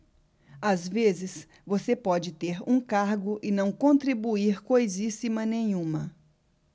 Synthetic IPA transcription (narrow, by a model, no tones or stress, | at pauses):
azvezɪs | vosepɔd͡ʒɪt̪eɾũkaɾɡʊʔɪnɐ̃w̃kõnt̪ɾibuiɾkojzisimɐnẽɲũmɐ